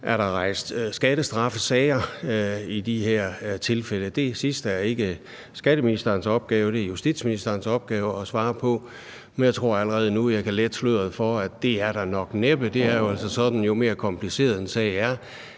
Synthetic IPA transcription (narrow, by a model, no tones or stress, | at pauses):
ʔæɐɾ̥ɑ̈ʁɑ̈ɪ̰sd̥sɡ̥æɾ̥əsd̥ʁɑ̈fəsɛːɪɐ | id̥iheɐ̰t͡sʰe̝lfel̰əd̥e̝sisd̥æɐe̝ɡ̥ə | sɡ̥æɾ̥əminisd̥ɐːnsɒ̽b̥̚ɡ̥ɛːʊəd̥e̝ɐjusd̥ḭd̥sminisd̥ɐɐnsɒ̽b̥̚ɡ̥ɛːʊəɒ̽sʋɑ̈ːpʰɒ̽ | menjɑt͡sʰʁo̝ɐ̰æləʁɛːð̞̩ˠnujɑ̈ɪkʰæled̥sløð̰ˠð̩ˠfɒæd̥e̝æɐɾ̥ɑ̈nɒ̽ɡ̥neb̥əd̥e̝æɐjo̝æl̰sɒsɒ̽d̥n̩jo̝me̝ːɐkʰɒ̽mpʰlise̝̰ːɐð̩ˠensɛ̰ɪæɐ